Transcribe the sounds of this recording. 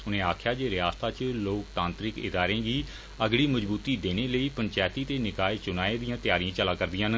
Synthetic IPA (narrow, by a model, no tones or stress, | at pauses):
ʊnẽːaːkʰjaːd͡ʒeːɾɪjaːst̪aːt͡ʃloːkt̪ãːnt̪ɾɪkɪ̰d̪aːɾẽːɡiː | əɡɽiːməd͡ʒbuːt̪iːd̪eːneːləiːpəɲt͡ʃaːt̪iːt̪eːnɪkaːet͡ʃʊnaːeːd̪ijãːt̪jaːɾijãːt͡ʃəlãːkəɾd̪ijãːn